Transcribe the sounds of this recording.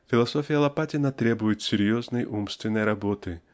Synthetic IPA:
fʲilˠasɔfʲijɐlˠapatʲɪnɐt̪ɾɛbujɪt͡sʲsʲɪɾjɔznɐjʔumst̪vʲɪnɐjɾabɔt̪ɨ

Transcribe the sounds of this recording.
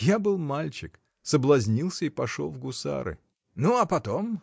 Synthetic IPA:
jabɨlˠmalʲt͡ɕɪk | səblˠɐzʲnʲilˠsʲəipɐʂo̞̰lˠvɡʊsa̰ɾɨ̰ | nuɐpɐt̪om

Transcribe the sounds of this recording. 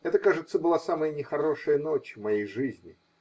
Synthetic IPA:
ɛt̪əkaʐɨt̪səbɨlˠasaməjənʲɪxɐɾo̞ʂɨjənot͡ɕmɐjejʐɨzʲnʲɪ

